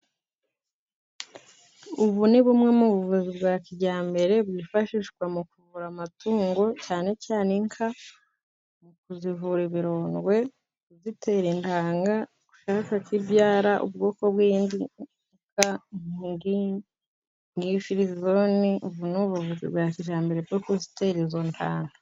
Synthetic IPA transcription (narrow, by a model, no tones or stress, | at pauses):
uβuniβumŋe̞muβuvuzibɡaːciɟaːmbe̞ɾe̞bɡifaʃiʃkwamukuvuɾamatuːŋɡo̞caːne̞caːneŋkʰa | mukuzivuɾiβiɾo̞ːnɡwe̞ | zite̞ɾintʰaːŋɡa | ku̥ʃakakibjaːɾaʔṵb̚ɡo̞ːko̞bwiːndi | kaŋŋɡi | ŋɡifiɾizoniʔuβunuβuvuzḭbɡaːkiɟaːmbe̞ɾebɡokozi̥te̞ɾizontʰa̰ːŋɡa